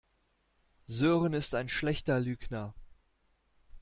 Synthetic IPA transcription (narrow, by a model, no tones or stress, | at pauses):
zøːʁənɪstaɪnʃlɛçtɐlyːknɐ